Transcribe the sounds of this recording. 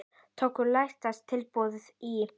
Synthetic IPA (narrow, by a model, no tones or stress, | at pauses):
t̪ʰowkʏɾlajht̪ast̪ʰɪlpɔːðʏði